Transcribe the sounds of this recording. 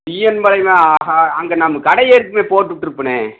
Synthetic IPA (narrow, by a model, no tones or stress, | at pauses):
pijɛnmɐlɐɪmaːaːɦaːɐŋɡɐnɐmːɐkɐɽɐjeɾɯkːɯmeːpoːʈːɯʋɪʈːɪɾɯpːɐɳẽː